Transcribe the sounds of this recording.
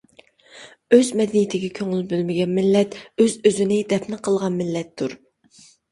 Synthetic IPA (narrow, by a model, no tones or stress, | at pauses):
øzmɛd̪ɛnijit̪ʰɪɡʲɛkʲʰøŋylbylmɪɡʲɛnmɪlːɛt̪øzøzɪnɪd̪ɛpnɪqʰəlˠʁɑnmɪlːɛt̪ːuɾ